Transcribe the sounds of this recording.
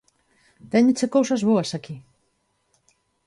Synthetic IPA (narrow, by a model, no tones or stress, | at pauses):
t̪ɛɲɪt͡ʃekowsɐzβoɐsaki